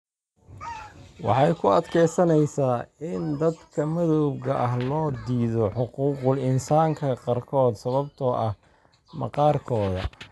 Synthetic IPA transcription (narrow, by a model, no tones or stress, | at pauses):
wɑ̰ħɑjkʰʊɐd̪kʰɛjsɐnɛjsaːɪnd̪ɐd̪kʰɐmɐðɔwbɣɐʔɐɦlɔːd̪iːðɔħʊquːqʊlɪnsaːŋkʰɐqɑrkʰɔːd̪sɐβɐbt̪ʰɔʔɐh | mɐ̰qɑːrkʰɔːðɐ̰